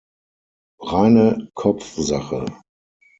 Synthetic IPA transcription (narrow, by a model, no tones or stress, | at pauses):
ʁaɪnəkʰɔp͡fzaχə